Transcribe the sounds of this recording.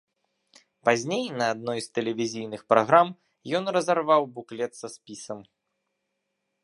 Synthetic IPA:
pazʲnʲejnɐːd̪̚nɔjst̪ɛlʲɛvʲizʲijnɨxpɾaɣɾam | jɔnrɐzarvawbuklʲɛt̪sɐspʲisɐm

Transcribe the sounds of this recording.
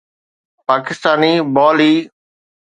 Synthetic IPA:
paːkɪst̪aːniːbɔːliː

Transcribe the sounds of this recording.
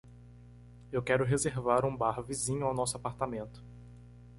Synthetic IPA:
ewkɛɾʊɦezeɾvaɾũbaɾvizĩɲʊawnɔsʊapaɾt̪amẽnt̪ʊ̥

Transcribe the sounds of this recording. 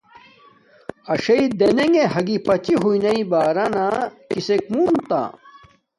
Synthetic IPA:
ɐɕɐid̪eneŋɡeɦɐɡipɐt͡ɕiɦuinɐibaːɾanakisek̚munt̪a̰

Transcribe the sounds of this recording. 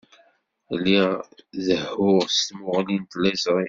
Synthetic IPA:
lːiðəhʊʁst̪mʊʁlint̪læzʁi

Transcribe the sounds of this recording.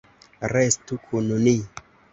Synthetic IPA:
ɾestukʰunoni

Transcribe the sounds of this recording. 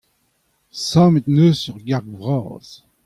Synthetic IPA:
sɑ̃ːmet̪nøsyʁɡaʁɡvʁɑ̰ːz̥

